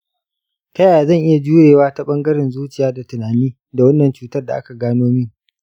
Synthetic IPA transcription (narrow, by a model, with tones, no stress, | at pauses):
tɐ˦jaː˨zɐ˦˨ŋʔɪ˦ja˨d͡ʒuː˦jeː˨waː˦ta˦ɓɐ˦ŋɡɐ˦ɾɪ˨nzuː˦t͡ʃɪ˨jaː˦da˨tʊ˨naː˨niː˦ | da˨wɐ˦nːɐ˨nt͡ʃuː˦tɐ˦rda˨ʔa˦ka˨ɡaː˦noː˦miː˦